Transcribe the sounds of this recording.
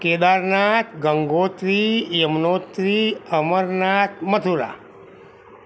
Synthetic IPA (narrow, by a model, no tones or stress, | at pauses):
ked̪aɾnat̪ʰɡəŋɡot̪ɾijəmnot̪ɾiəməɾnat̪ʰmət̪ʰuɾa̰